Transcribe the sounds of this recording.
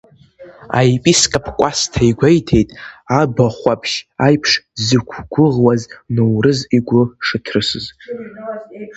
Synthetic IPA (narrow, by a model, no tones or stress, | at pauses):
a̰jpʼiskʼapʰkʷʼastʰaiɡʷejtʰe̞jtʼabaχʷapʰʃajpʰʂzɨkʷʰɡʷʊʁwaznɨwrɨziɡʷʊʂɨkʲʰrɨsɨz